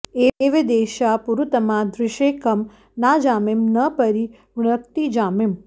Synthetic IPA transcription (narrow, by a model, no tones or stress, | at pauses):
eeʋed̪eːʃapuɾut̪əmãd̪ɾɪʃeːkəm | nad͡ʒaːmemnəpəɾi | ʋɽəkt̪id͡ʒaːmem